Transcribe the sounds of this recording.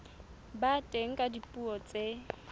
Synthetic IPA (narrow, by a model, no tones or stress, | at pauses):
batʼeŋ̩kʼadipʼuɔt͡sʼe